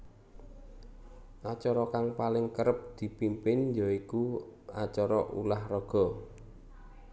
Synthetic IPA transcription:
ʔat͡ʃɔɾɔkaŋpalɪŋkəɾəp̚d̪̥i̤pimpɪnjɔikuat͡ʃɔɾɔʔṵlahrɔɡ̥ɔ̤

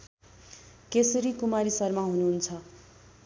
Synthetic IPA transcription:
kesʌɾikumaɾisʌrmaɦunuɦunt͡sʰʌ

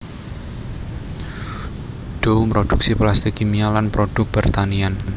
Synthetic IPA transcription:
ɖ̥oumpɾod̥uk̚siplast̪ikimialanpɾoɖ̥ʊk̚b̥ərt̪anian

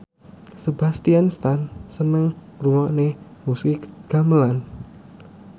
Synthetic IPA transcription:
səba̤st̪ianst̪ansənəŋ | ruwɔʔnemusɪkɡ̥amlan

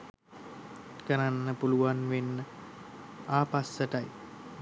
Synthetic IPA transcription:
kəɾanːəpuluʋanʋenːə | aːpasːəʈaj

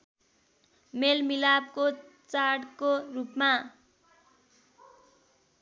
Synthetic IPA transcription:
melmilab̚ko | t͡saɽkorupma

